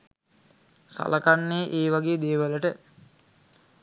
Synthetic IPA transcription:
sa̰ləkanːeːʔeːʋaɡeːd̪eːʋələʈə

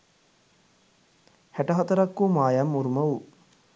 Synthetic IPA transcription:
hæʈɐɦɐt̪ɐɾɐkːumaːjamːuɾumɐʋu

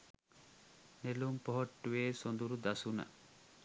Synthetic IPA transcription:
nelumpoɦoʈːuʋeːsond̪uɾud̪ɐsunɐ̰

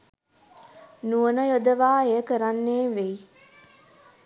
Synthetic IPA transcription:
nuənəjod̪əʋaːejəkəɾanːeːʋej

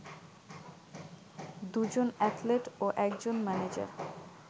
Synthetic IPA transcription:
d̪ud͡ʑonɛtleʈoʔɛkd͡ʑonmɛned͡ʑa̰ɾ

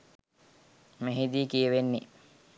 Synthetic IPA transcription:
meɦid̪iːkijeʋenːi

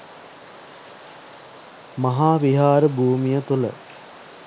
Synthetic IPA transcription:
mɐɦaːʋiɦaːɾəbʱuːmijət̪ulə̰

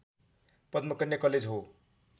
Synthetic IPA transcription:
pʌd̪mʌkʌnjʌkʌled͡zɦo

